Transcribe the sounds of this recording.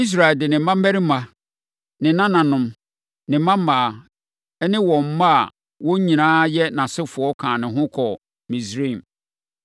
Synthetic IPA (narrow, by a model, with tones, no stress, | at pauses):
i˦s̬ɾa˨ɛ˨ldɪ˨nɪ̃˨˦mã˦m˦æ˦ɾi˦mã˨ | nɪ̃˨nã˦nã˨nʊ̃˨m | nɪ̃˨˦mã˦m˦mãː˨ | ɛ˦nɪ̃˦wɔ̃˨m̩˦ma˦a̰˨ | wɔ̃˦ɲĩ˨nãː˦jɛ˦nã˨sɪ˦fʊ˨ɔ˦kʰãː˨nɪ̃˨ɦʊ̃˦kʰɔ˨ | mĩ˨sɾi˦˨m